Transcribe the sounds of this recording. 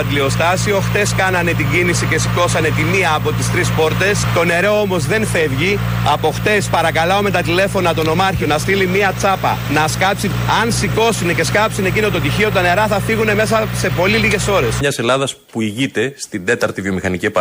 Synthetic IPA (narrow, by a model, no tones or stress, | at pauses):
t̪lio̞st̪ɐsio̞xt̪e̞skɐnɐne̞t̪iɲɟinisice̞siko̞sɐne̞t̪imiɐːpo̞t̪ist̪ɾispo̞ɾt̪e̞st̪o̞ne̞ɾeoo̞mo̞zðe̞nfe̞vʝi | ɐpo̞xt̪e̞spɐɾɐkɐlɐome̞t̪ɐt̪ile̞fo̞nɐt̪o̞no̞mɐɾçio̞nɐst̪ilimiɐt͡sɐpɐ̰nɐskɐpsinɐnsiko̞sinece̞skɐpsine̞cino̞t̪o̞t̪içio̞t̪ɐne̞ɾɐθɐfiɣune̞me̞s̬ɐse̞po̞liliʝe̞so̞ɾe̞sɲɐse̞lɐðɐspuiʝit̪e̞st̪ind̪e̞t̪ɐɾt̪ivjo̞mixɐnicip